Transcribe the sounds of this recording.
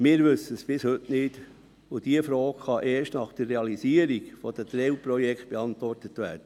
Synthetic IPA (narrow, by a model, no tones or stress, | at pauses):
mɪːɾʋɵsəsb̥ɪshɵtnɪd̥ | ud̥iəfɾoːkχɑʔeːɾʃtnɑχd̥ərːeɑlisiːəɾikfɔd̥̪ət̪ɾɛwpɾɔjɛkʰt̚b̥eɑntʋɔrtətʋæ̰ːɾd̥ə